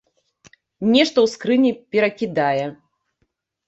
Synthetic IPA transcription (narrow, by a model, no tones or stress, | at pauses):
nʲɛʂt̪ɐwskɾɨnʲipʲɛɾɐkʲid̪ajɛ